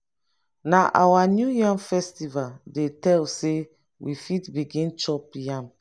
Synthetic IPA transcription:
naʔawanjujãnfɛstivaldetɛlse | wifitbiɡĩnt͡ʃɔpjãm

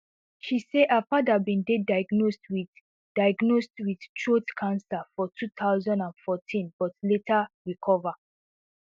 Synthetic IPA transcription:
ʃiseʔapadabĩndedaɪɡnostwi | d̥ajɡnostwid̥tʰɹotkʰãnsafɔtʰutʰaʊzɔ̃ndãnfɔtʰĩnb̥ɔtletʰaɹikʰɔva

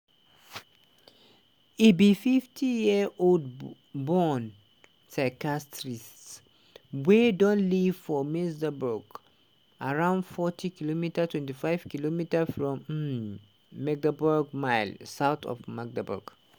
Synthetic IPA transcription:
ibififtʰijiʔold̚ | bɔn | sakastɹist | wɛdɔ̃nliv̥fɔmisdəbɔɡ | aɹãʊ̃ndfɔtʰikilomitətʰwɛ̃ntifaɪv̥kilomitəfɹɔ̃m | ɛɡ̚dabɔɡmaɪlsaʊt̪ɔ̰vmaɡ̚dəbɔ̰ɡ̥

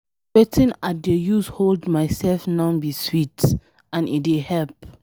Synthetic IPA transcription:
wɛtʰĩnadejuzholdmaɪsɛlfnãʊbiswit | ãnḭdehɛlp

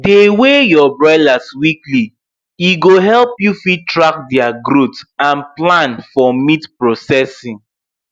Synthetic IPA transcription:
dewejɔbɹadaswikli | iɡoɦɛlpjufitɹak̚dɛaɡɾutãnplãnfɔmitpɹɔsɛsĩŋ

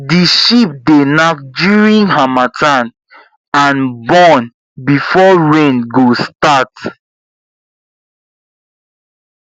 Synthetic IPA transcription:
diʃip̚denak̚djuɹĩnɦamatʰãn | ãnbɔ̃n | bifɔɹẽnɡostat

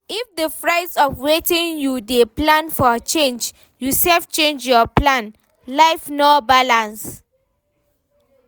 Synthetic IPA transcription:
ifdəfɹaɪdsɔfwetĩŋjudeplãnfɔt͡ʃẽnd͡ʒ | jusɛlft͡ʃẽnd͡ʒjɔplãn | laɪfnɔbalãns

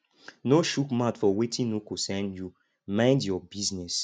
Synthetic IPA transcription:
noʃukmatfɔwetʰĩnukosɛ̃nju | mãɪ̃ndjɔbiznɛs

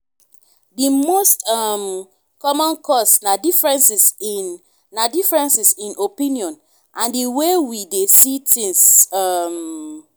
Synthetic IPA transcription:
dimostɔm | kɔmɔ̃nkɔsnadifɹɛ̃nsis | nadifɹɛ̃nsisĩnopĩniɔ̃n | ʔãndiwewidesitĩŋsʌm

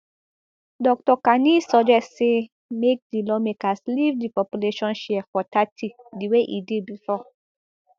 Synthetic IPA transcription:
dɔk̚tɔkanisɔd͡ʒɛstːse | mek̚dilɔmekaslivdipɔpjuleʃɔ̃nʃɛɛfɔtatʰi | diweʔḭdid̚bifɔ

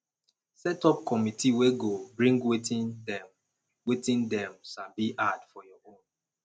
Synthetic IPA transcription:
sɛtɔp̚kɔmitʰiweɡobɹĩŋɡwetĩndɛm | wetĩndɛ̃msabiʔadfɔjɔõn

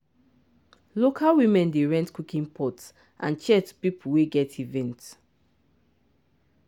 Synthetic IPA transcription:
lokʰalwimɛ̃ndeɹɛ̃ntkukĩnpʰɔt | ʔã̰nt͡ʃɛtpipuweɡɛtivɛ̃nt

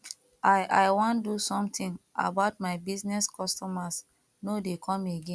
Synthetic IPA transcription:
aɪʔaɪwãndusɔ̃mtĩŋa̰baʊt̚maɪbiznɛskʰɔstɔmas | nodekʰɔ̃meɡẽn

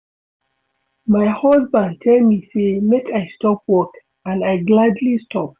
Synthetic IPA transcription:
maɪhɔsbãn̚tʰɛlmisemekaɪstɔp̚wɔk | ãnaɪɡladlistʰɔp̚

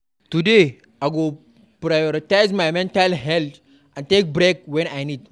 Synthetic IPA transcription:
tude | aɡo | pɾajɔɾitajzmajmɛ̃ntalɦɛlt | ʔãntek̚bɾek̚wɛ̃najnid̚

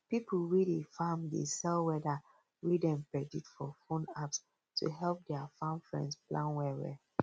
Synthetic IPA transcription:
pipl̩widefamdḛsɛlwɛda | widɛ̃mpɹɛditfɔfõnaps | tʰṵɦɛlp̚dɛafãmfɹɛ̰̃ndsplʔãnwɛwɛ̰

